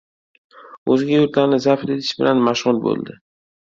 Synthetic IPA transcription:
ɵzɪɡʲajʊɾt̪laɾnɪzafɾet̪ʰɪ̥ʃbɪ̰lʔanmaʃʁʊnbo̰lˠd̪ɪ

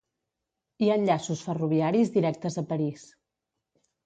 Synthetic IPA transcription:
iaənʎasusfəruβ̞iaɾizðiɾɛk̚t̪əzəpəɾis

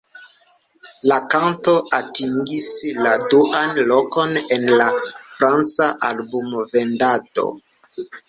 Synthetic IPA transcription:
lakanto̞ʔatiŋɡisladuʔanlo̞ko̞nenlafɾant͡saʔalbumove̞ndato̞̰

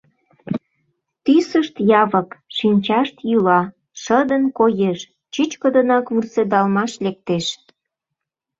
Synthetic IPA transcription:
t̪ysəʃt̪jɑvəkʃinʲt͡ɕɑʃt̪jylɑ | ʃəd̪ənkojeʃ | t͡ɕyt͡ɕkəd̪ənɑkvursed̪ɑlmɑʃlek̚t̪eʃ

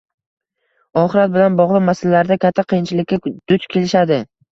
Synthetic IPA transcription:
ɒχɪɾat̪̚bɪlanbɒʁlˠɨqmasɪlːaɾd̪akʲʰat̪ʰːaqʰɨjɪnt͡ʃʰɪlɪkʲːad̪̥ʊt͡ʃkʲʰe̞lɪʃad̪ɪ

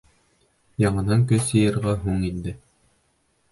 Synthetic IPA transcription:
jɑɴɤ̆nɑŋk̬ɵsjɤ̆jɤ̆ɾʁɑɦuɴind̪ɘ

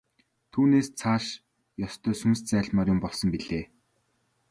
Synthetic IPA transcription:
t̪ʰuːneːst͡sʰaːʃ | jɔst̪œːsunst͡sæːɮmaːrjʊmpɔɮsɞ̆mpiɮeː

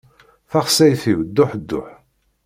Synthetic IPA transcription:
θæχsæjθiwd̪ːʊħd̪ːʊ̰ħ

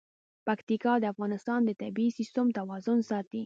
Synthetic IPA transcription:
pakt̪ikɑd̪əafɣɑnɪst̪ɑnd̪ət̪abiisist̪əmt̪awɑzʊnsɑt̪i

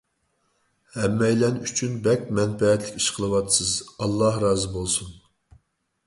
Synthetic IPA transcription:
hɛmːɛjlɛnyt͡ʃʰynbɛkʲmɛnfɛɛt̪lɪkʲi̥ʃqʰəlˠɨwɑt̪ɨsɨzɑlˠːɑhɾɑːzɨbolˠsun

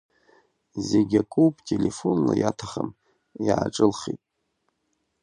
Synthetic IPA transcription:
zeɡʲakʼupʼtʲʼelefo̞nla̰jatʰaχam | jaːʈ͡ʂʼɨlχitʼ

